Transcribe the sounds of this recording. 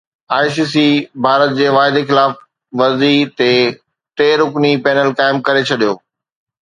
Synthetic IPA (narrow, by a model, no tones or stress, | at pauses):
aːɪs̬iːsibʱaːɾət̪̚d͡ʑeːʋaːɦɪd̪exɪlaːf | ʋɐzit̪eː | t̪eːɾʊknipɛːnəlkaːɪmkɐɾet͡ɕʰɐɗijoː